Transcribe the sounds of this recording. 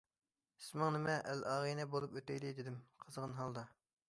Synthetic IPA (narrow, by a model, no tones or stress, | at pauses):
i̥smɪŋnɪmɛʔælɑːʁəjnɛbolˠupøt̪ɛjd̪ɪd̪ɪd̪ɪmqʰəzʁənɦɑlˠd̪ɑ